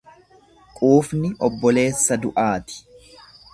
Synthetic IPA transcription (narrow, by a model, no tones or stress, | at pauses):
kʼuːfnɪʔɔbːɔle̞ːsːɐd̪ʊʔaːt̪ɪ̥